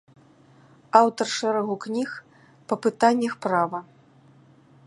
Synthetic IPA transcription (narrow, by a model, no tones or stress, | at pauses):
awt̪ɐrʂɛɾɐɣuknʲix | pɐpɨt̪anʲːɐxpɾavɐ